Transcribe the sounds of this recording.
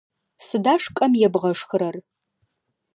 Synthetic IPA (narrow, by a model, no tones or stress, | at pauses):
sɨdaːʂkʼɐmjɛbʁɐʂxɨɾɐr